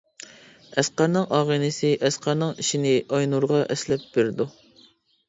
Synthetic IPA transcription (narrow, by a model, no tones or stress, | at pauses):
ɛsqɑɾnɨŋɑːʁənɨsɪʔɛsqʰɑɾnɨŋiʃinɪɑjnuɾʁɑʔɛslɛp̚b̥ɪɾd̪u